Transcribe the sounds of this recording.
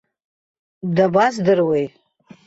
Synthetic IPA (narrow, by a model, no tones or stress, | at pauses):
dabazdɨrwej